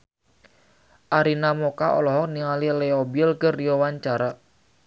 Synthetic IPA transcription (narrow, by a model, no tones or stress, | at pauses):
ʔaɾinamɔkaʔɔ̰lɔɦɔk̚niŋalileobilkərijowaɲt͡ʃaɾa